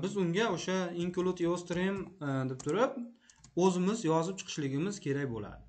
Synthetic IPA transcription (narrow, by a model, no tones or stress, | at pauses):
bɪzʊŋɡʲaoʃaiŋklˠut̪jost̪ɾimd̪ɪp̚t̪ʰʊɾɪp̚ɵzɪmɪzjɒzɪp̚t͡ʃʰɨ̥qʰɨ̥ʃlɪɡʲɪmɪz̥kʲʰe̞ɾakʲbola̰d̪ɪ